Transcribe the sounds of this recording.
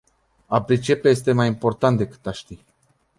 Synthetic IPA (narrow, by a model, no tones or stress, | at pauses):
apɾit͡ʃepejes̬t̪emajimpo̞rt̪ant̪̚d̪e̞kɨ̥t̪aʃt̪i